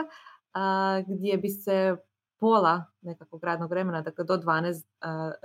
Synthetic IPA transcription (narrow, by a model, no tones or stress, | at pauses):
əɡd̪jebise | polˠa | nekakoɡɾaːd̪noɡʋɾemenad̪akled̪od̪ʋaːnɛːst̪ː